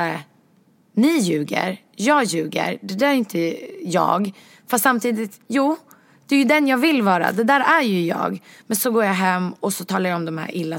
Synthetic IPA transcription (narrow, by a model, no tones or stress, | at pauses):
nɪjʉːɡə̰ɾ | jɑːɡjʉ̟ːɡə̰ɾɖɛd̪æːɾɛjʏnt̪əjɑ̰ːɡ | fast̪samt̪ʰiːd̪ɪt̪juː | d̪̥ɛæjɵd̪ɛnjɑːɡvɪlːvɑːɾa̰d̪ɛd̪æːɾæɾjɵjɑ̰ːɡmɛnsɔɡoːɾjaɦɛmːɔsɔt̪ʰɑːlaɾjaɔmd̪ɔmhæ̰ːɾʔɪlːa